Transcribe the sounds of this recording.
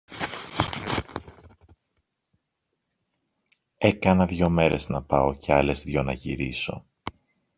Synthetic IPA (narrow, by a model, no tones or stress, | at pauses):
e̞kɐnɐðʝo̞me̞ɾe̞znɐpɐoceɐle̞zðʝo̞nɐʝiɾiso̞